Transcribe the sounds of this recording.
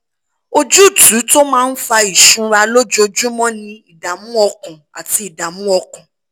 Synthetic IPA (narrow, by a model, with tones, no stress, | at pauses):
o˦d͡ʒu˦˨tu˨˦to˦mãː˦n̩˦fa˧i˨ʃũ˧˦ɾa˧lo˦d͡ʒo˧d͡ʒu˦mɔ̃˦nĩ˧i˨da˨mũ˦ɔ˧kũ˨a˨ti˧˦i˨da˨mũ˦ɔ˧kũ˨